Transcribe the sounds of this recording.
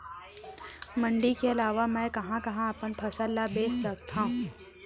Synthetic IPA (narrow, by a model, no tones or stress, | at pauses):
mɐ̃ɳɖikeɐlaːʋamɛ̃ːkɐɦãkɐɦãɐpənpʰɐsəlːabeːt͡ʃsɐk̚t̪ʰãɦ